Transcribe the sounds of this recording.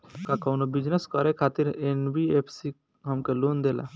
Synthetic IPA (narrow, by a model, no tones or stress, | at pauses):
kakɔːnobɪd͡ʒneskɔɾekʰaːt̪ɪɾenbieːpʰsi | ɦɐmkeloːnd̪eːla̰ː